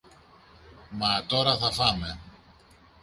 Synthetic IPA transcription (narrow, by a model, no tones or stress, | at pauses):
mɐt̪o̞ɾɐθɐfɐme̞